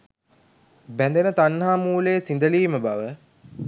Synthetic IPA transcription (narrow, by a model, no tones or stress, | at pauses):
bænd̪enət̪anːaːmuːleːsind̪əliːməbaʋə